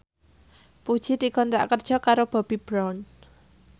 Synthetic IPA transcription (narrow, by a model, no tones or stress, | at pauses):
pud̥ʒ̥i̤d̪̥ikɔnt̪ɾa̰ʔkərd̥ʒ̥ɔ̤kaɾob̥a̤b̥i̤b̥ɾɔn